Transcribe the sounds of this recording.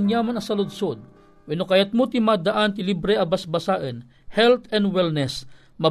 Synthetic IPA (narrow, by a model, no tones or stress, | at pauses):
njamanɐsɐlʊd̪sod̪̚ | wɛnokajat̪̚mut̪ɪmad̪aʔant̪ɪlibɾɛʔɐbasbɐsaːʔən | hɛlt̪ɛnwɛlnɛs | mɐ